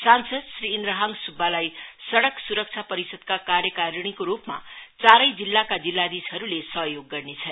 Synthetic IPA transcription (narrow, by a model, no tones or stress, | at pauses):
sansʌd̪sriːnɾʌɦaŋsubʱːalajsʌɽʌksuɾʌk̚t͡sʰapʌɾisʌd̪̚kakarjʌkaɾɽ̃ikoɾupma̰t͡saɾʌjd͡zilːakad͡zilːad̪isɦʌɾulesʌɦjoɡːʌrnet͡sʰʌn